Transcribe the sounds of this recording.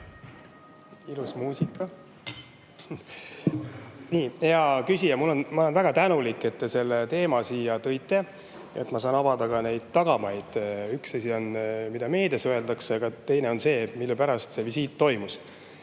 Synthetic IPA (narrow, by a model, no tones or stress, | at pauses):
ilusmuːsikːˑɑ | niːjɑkysʲijɑmulːo̞nmɑole̞nvæɡ̥ɑt̪ænulikːˑe̞t̪ːse̞lːet̪e̞ːmɑsiːjɑt̪ɤ̞jt̪ːˑe̞ | jɑ̰et̪ːmɑsɑːnɑvɑd̪ɑɡ̥ɑne̞jd̪̥̚t̪ɑɡ̥ɑmɑjd̪̥yksɑsʲio̞nmid̪̥ɑme̞ːd̪e̞søe̞ld̪̥ɑksɑɡ̥ɑt̪e̞jne̞o̞nse̞ːmilːupæɾɑst̪se̞visiːt̪ːo̞jmus